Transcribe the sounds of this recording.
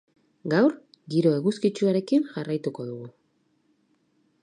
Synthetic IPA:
ɡawɾ | ɡiɾo̞eɣuskit͡ʃuaɾe̞kinʝarajt̪uko̞ðuɣu

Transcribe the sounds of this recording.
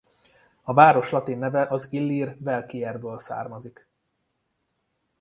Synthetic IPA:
ɒvaːɾo̞ʃlɒt̪inːɛvɛʔɒzilːirvɛlkiɛrbøːlsa̰ːrmɒzik

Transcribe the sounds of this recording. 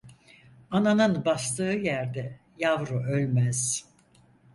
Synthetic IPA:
ananɯnbast̪ɯːjæɾd̪ɛ | javɾuølʲmæz̥

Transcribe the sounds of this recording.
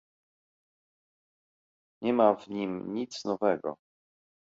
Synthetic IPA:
ɲɛmavɲimɲit̪snɔvɛɡɔ̰

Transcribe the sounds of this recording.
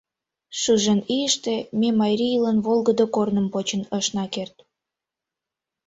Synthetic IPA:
ʃɯʒeniəʃt̪ememɑjɾiilənβolɣə̆d̪okornə̆mpot͡ɕənəʃnɑkert̪

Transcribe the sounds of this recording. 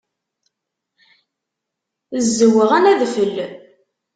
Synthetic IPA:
əzːəwəʁænæðfəlː

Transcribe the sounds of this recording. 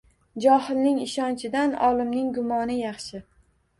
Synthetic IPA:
d͡ʒɒhɪlnɪŋɪʃɒnt͡ʃʰɪd̪anɒ̰lɪmnɪŋɡʊmɒnɪjɑχʃɪ

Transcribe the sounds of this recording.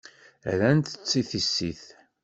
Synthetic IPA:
ɾænt̪ə̥t͡sːiθisːiθ

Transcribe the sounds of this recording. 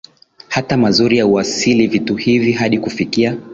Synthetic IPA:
hatamazuɾijauasilivituhiviɦaɗikufikia

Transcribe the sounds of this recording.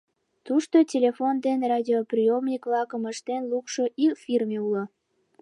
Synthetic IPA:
t̪uʃt̪otʲelʲefond̪enrɑdʲioprijomnʲikβlɑkəməʃt̪enlukʃoʔikfʲirmʲeulo

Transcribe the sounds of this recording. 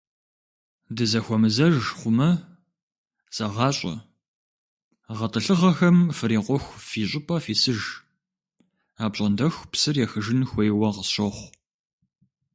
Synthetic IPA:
dɨzɐxʷɔmɨzɐʒχʷʊmɐ | zʼɐʁɑːɕʼɐ̰ | ʁɐtʼɨɬɨʁɐxɐmfɨɾiːqʷʼɔxʷfiːɕʼɪpʼɐfiːsɨʒ | aːpɕʼɐndɐxʷpsɨrjɛxɨʒɪnxʷejwɐʁəsɕɐχʷ

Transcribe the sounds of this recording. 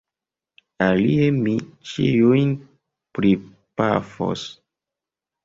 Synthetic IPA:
aliemit͡ʃijujn | pɾi | pa̰fo̰s

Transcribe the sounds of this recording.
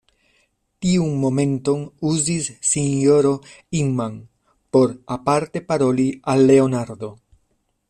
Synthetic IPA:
tiunmo̞me̞nto̞nuzisːinjo̞ɾo̞ | iŋman | po̞ɾapaɾte̞paɾo̞lialːe̞o̞naɾd̪o̞

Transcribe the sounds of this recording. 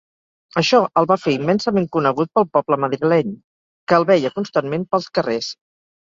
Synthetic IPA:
əʃɔʔəlˠβafeimːɛnsəmeŋkunəɣ̞ut̪̚pəlˠpɔpləməðɾilɛɲ | kəːlˠβɛjəkunst̪anmempəlˠskəres

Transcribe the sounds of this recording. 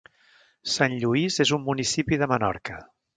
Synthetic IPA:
sanʎuizezumːunisipiðəmənɔ̰ɾkə

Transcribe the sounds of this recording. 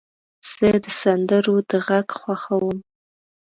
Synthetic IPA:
z̥ɨdɨsandɨrudɨʁakʰʼχʷɑχawəm

